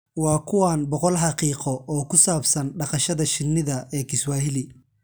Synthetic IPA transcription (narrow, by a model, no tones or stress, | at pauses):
wɑːkʰʊwaːnbɔqɔlɦɑqiːqɔɔːkʰʊsaːbsɐnɖɑqɑʃɐðɐʃɪnːɪðɐʔɛːkʰɪswaːɦɪlɪ